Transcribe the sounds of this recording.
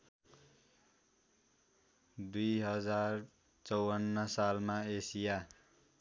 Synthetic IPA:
d̪ujɦʌd͡zar | t͡sʌwʌnːʌsalmaesija

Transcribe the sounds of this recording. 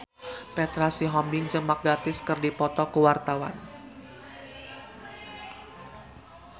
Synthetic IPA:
pɛt̪ɾasiɦɔmbɪŋt͡ʃəmak̚ɡat̪ɪskərdipɔt̪ɔkəwart̪awa̰n

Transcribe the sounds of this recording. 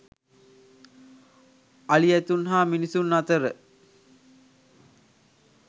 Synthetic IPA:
aliæt̪unɦaːminisunːat̪əɾə

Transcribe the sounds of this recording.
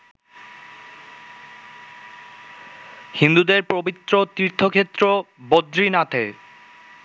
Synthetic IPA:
hind̪ud̪eɾpɾobit̪ːɾot̪ɾiɾt̪ʰːokʰet̪ːɾobod̪ɾinat̪ʰe

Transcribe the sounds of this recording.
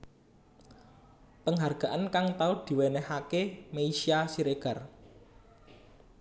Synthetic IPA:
pəŋɦarɡ̥a̤ʔankaŋt̪aud̪̥i̤wenɛhakemeiʃiasiɾeɡ̥ä̤r

